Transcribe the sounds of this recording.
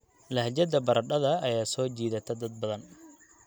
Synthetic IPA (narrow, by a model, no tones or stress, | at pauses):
lɐhd͡ʒɐd̪ɐbɐɾɐɗɐðɐːjaːsɔːt͡ʃiːðɐt̪ʰɐd̪ɐd̪̚bɐðɐn